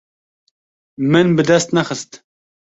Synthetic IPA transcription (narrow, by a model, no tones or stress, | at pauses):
mɨnbɨd̪ɛst̪nɛxəst̪